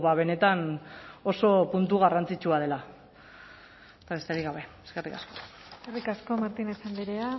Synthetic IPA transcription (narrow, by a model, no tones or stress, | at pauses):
βaβe̞ne̞t̪ano̞so̞punt̪uɣarant͡sit͡ʃuað̞e̞la | t̪aβe̞st̪eɾiɣaβ̞e̞eske̞rikasko̞ | skerikasko̞maɾt̪inesend̪iɾea